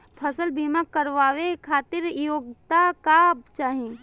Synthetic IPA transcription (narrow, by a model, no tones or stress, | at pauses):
pʰəsəlbʱimakəɾʋaːʋekʰaːt̪ɪɾjoːɡt̪akabt͡ʃaːɦẽ